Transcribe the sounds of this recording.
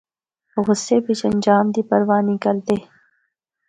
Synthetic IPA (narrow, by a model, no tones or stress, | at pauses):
ɣʊsːebit͡ʃɐ̃nʲd͡ʒaːmd̪iːpɐɾʋaːnikəlt̪eː